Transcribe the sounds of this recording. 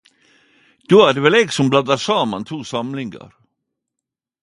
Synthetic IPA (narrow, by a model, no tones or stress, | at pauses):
d̪̥oːæɖɛvɛlɛɡsɔmblad̪aʂɑːma̰nt̪ʰuːsamlɪŋa̰ɾ